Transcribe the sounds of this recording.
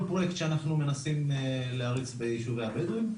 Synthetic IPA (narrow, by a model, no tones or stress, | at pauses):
pʁo̞jekt̪ʃeanaχnume̞nasimleaʁit͡sbejiʃuveabedujm